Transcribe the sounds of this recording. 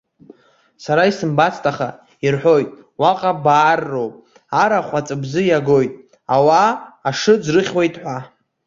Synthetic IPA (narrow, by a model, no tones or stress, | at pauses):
saɾaisɨmbat͡sʰtʰʼaχa | irħʷo̞jtʼ | waqʼabaːrːo̞wpʼ | aɾaχʷat͡sʼɨbzɨjaɡo̞jtʼ | awaːʂɨd͡zrɨχʲwe̞jtʼħʷa